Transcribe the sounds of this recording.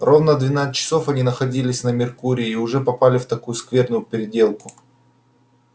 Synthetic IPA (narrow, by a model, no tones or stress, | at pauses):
rovnəd̪vʲɪnat̪st͡ɕːɪ̥so̞fɐnʲinəxɐdʲilʲɪsʲnəmʲɪrkuɾʲɪːʊʐɛpɐpalʲɪft̪ɐkujʊskvʲe̞rnʊjʊpʲɪɾʲɪdʲe̞lˠkʊ